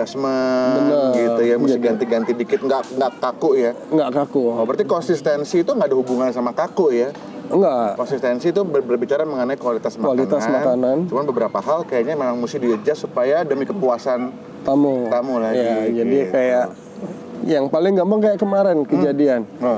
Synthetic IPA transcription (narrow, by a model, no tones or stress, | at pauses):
asmabənəɡitujamuɪɡant̪iɡant̪idikɪt̪̚ŋɡaʔŋɡaʔkakʊʔja | ŋɡaʔkakuəpərt̪ikɔnsist̪ɛnsiːt̪uŋɡadaɦubuŋansamakakʊʔja | ŋɡakɔnsist̪ɛnsiːt̪ubəbərbit͡ʃaɾaməŋənajkualit̪asmakuwalit̪asmakanant͡ʃumanbəbəɾapaɦalkajaɲamemaŋmusɪhdiəd͡ʒasupajadəmikəpuasan | t̪amut̪amulajad͡ʒadikajaʔ | jaŋpalɪŋɡambaŋkajaʔkəmaɾɛnkəd͡ʒadian